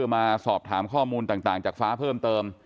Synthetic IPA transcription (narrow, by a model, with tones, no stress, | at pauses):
maː˧sɔː˨˩p̚t̪ʰaː˩˦mkʰɔː˥˩muː˧nt̪aː˨˩ŋt̪aː˨˩ŋt͡ɕaː˨˩k̚faː˦˥pʰɤː˥˩mt̪ɤː˧m